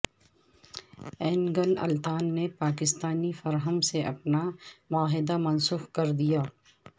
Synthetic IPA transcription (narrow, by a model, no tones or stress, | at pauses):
ɛːnɡənɐ̰lt̪aːnːepaːkɪst̪aːnifɐɾɦəmseʔɐpnamʊaːɦɪd̪amɐnsuːxkɐɾd̪ijaː